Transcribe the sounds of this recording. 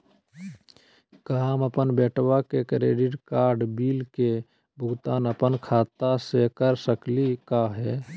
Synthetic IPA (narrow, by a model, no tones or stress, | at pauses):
kəɦaməpənbeʈwakekɾeɖiʈkaɾɖbilke | bʱʊɡt̪aːnəpənkʰat̪asekəɾsəklikaɦɛ